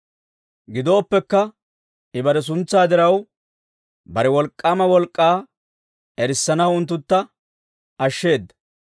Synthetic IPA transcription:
ɡɪd̪o̞ːpːɛkːɐ | ɪbɐɾɛs̬ʊnt͡sːaːd̪ɪɾɐw | bɐɾɛwɔlkʼːaːmɐwɔlkʼːaː | ɛɾɪsːɐnɐwʊnt̪ːʊt̪ːɐ | ɐʃːe̞ːd̪ːɐ̥

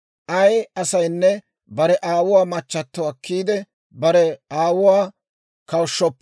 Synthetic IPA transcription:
ʔɐjɐsɐjnːɛ | bɐɾɛʔaːwʊwaːmɐt͡ʃːɐt̪ːɔɐkʰːiːd̪ɛ | bɐɾɛaːwʊwaː | kɐwʃːɔpː

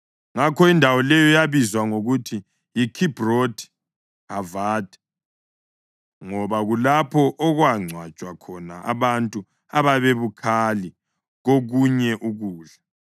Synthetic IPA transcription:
ŋakʰɔindʱawɔlɛjɔjaβizwaŋoɣutʰi | jikʰib̥rodʰi̥ | avaːd̥ʱʼɛ̥ | ŋɔβaɣulapʰɔʔɔɣwaŋ͡ǀʱwat͡ʃʼwakʰɔna̰ʔa̰βantʼu | aβaβeβukʰali | ɣoɣuɲɛʔuɣuːɮa

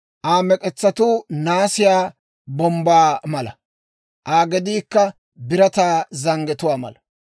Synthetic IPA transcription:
ʔaːmɛkʼɛt͡sːɐt̪uːnaːsɪjaː | bɔmbaːmɐlɐ̰ | ʔaːɡɛd̪iːkːɐ | bɪɾɐt̪aːzɐŋɡɛt̪ʊwaːmɐ̰lɐ

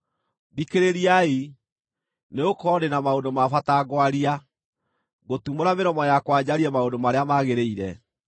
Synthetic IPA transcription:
βikeɾeɾiai | neokɔɾenamaondomafataɡwaɾia | ɣotumoɾameɾɔmɔjakwad͡ʑaɾiɛmaodomaɾeamaɣeɾeiɾɛ

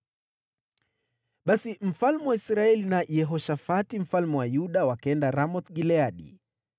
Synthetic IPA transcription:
ɓasim̩falmɛwaisɾaɛlinajɛɦɔʃafatim̩falmɛwajuɗawakɛndaɾamɔt̪ɡilɛaɗḭ

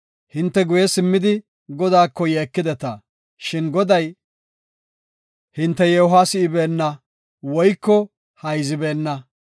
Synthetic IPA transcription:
hɪnt̪ːɛɡʊjɛsɪmːɪd̪ɪ | ɡɔd̪aːkːɔjeːkːɪd̪ɛt̪ɐ | ʃɪnɡɔd̪ɐj | hɪnt̪ːɛjɛʊɦaːsɪɪbe̞ːnːɐ | wɔjkːɔ | hɐjzɪbe̞ːnːɐ

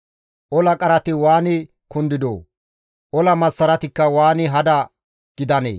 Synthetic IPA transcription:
ʔɔlɐkʼɐɾɐt̪ɪwaːnɪ | kʊnd̪ɪd̪o̰ː | ʔɔlɐmɐsːɐɾɐt̪ɪkːɐwaːnɪɦɐd̪ɐ | ɡ̥ɪd̪ɐnḛː

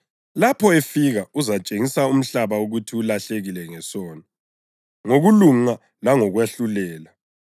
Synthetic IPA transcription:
lapʰɔefiɣauzat͡ʃʼeŋisaum̩ɬaβauɣutʰiulaɬeɣilɛŋɛsɔːna | ŋoɣuluŋa | laŋɔɣweɬulɛːla

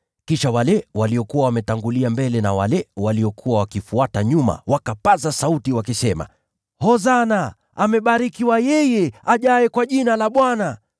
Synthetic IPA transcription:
kiʃawalɛwaliɔkuwawamɛtaŋɡuliambɛlɛna̰walɛwaliɔkʰuwawakifuataɲuma̰wakapazasautiwakisɛma̰ | hɔzanaː | mɛɓaɾikiwajɛjɛaʄajɛkwaʄinalaɓwana

